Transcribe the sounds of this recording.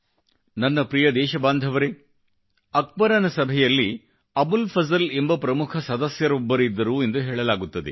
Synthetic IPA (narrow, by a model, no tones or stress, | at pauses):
nɐnːɐpɾijɐd̪ɛːʃɐbaːnd̪ʱɐʋɐɾe | ɐk̚bɐɾɐnɐsɐbʱɛjɐlːi | ɐbulpʰɐzɐle̞mbɐpɾɐmukʰɐsɐd̪ɐsjɐɾobːɐɾid̪ːɐɾue̞nd̪uɦeːɭɐlaːɡut̪ːɐd̪ḛ